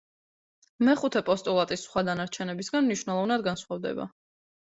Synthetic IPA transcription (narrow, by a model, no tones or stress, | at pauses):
mɛχut̪ʰɛpʼɔst̪ʼulˠat̪ʼisːχwad̪anaɾt͡ʃʰɛnɛbisɡanmniʃwnɛlˠɔvnad̪ɡansχwavd̪ɛ̰ba̰